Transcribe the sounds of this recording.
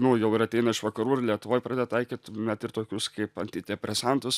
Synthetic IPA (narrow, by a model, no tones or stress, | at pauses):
nʊjɛʊɪɾɐt̪ʲɛɪnɐɪʃʋɐkɐɾuːrlʲiɛt̪ʊʋoːjpɾɑːd̪ʲed̪ɛt̪ɐɪkʲiːt̪ʲnʲɛt̪ɪɾt̪oːkʲʊskɐɪpɐnʲt̪ʲɪd̪ʲɛpʲɾʲɛsɑnt̪ʊs